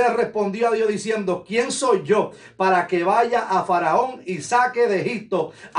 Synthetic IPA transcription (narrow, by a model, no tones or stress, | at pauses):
ere̞spõ̞nd̪jo̞aðjo̞ðisje̞nd̪o̞kje̞ŋso̞jʝo̞ | paɾake̞βaʝaʔafaɾao̞ŋisake̞ðehip̚t̪o̞